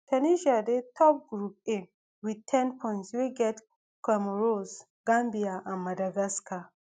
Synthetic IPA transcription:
tʰɛniʃadetʰɔp̚ɡɹup̚e | wid̚tʰɛ̃npʰɔ̃ɪ̃ntswiɡɛt | kamɹos | ɡ̥ãmbiaʔãnmadaɡaska

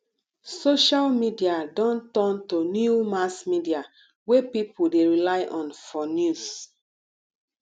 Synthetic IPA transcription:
soʃalmidiadɔ̃ntɔ̃ntonjumasmidia | wepipʰudeɹilajʔɔ̃nfɔnjus

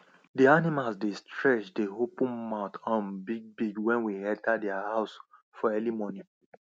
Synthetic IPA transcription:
dianimalsdestɹɛt͡ʃdeɦopũnmaʊtʰãnbiɡ̚biɡwɛ̃nwiɛ̃ntʰadɛahaʊs | fɔɛlimɔnĩ

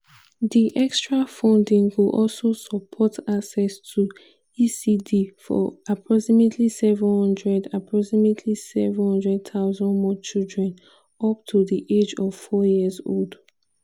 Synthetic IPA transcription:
diʔɛkstɹafɔ̃ndĩŋwuʔɔlsosɔpʰɔtaksɛstʰu | isidifɔ̰apʰɹɔksimetʰlisɛvə̃nhɔ̃ndɹɛdapʰɹɔksimetʰlisɛvə̃nhʌ̃ndɹɛd̚tʰaʊzɔ̃nmɔt͡ʃildɹɛ̃n | ɔp̚tʰuðiʔed͡ʒɔv̥fɔjiəzo̰ld

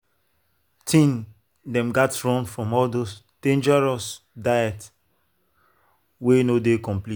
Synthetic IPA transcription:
tʰĩn | dɛ̃mɡatɹɔ̃ŋfɹɔ̃mɔldos | d̥ẽnd͡ʒɛɹɔs | dajɛt | wenodekɔ̃mpli

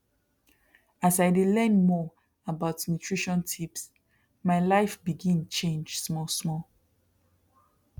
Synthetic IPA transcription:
asaɪdelɛnmɔ | əbaʊtnutʰɹ̥iʃɔ̃ntʰips | maɪlaɪfbiɡĩnt͡ʃẽnd͡ʒsmɔsmɔl

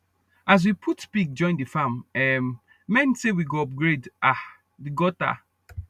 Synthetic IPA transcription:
az̬wipʰutspik̚d͡ʒɔ̃ɪ̃ndɨfãmɛmː | ɛ̃ntsewiɡoɔp̚ɡɹeda | diɡɔta̰

